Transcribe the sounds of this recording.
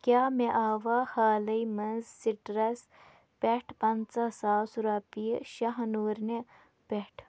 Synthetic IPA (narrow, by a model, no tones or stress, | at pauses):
kʲaːmeʔaːʋahaːlɐjmɐnzsiʈɾɐs | peʈʰpɐnt͡sɐsaːsuɾaːpiʃɐɦɐnuːɾne | peʈʰ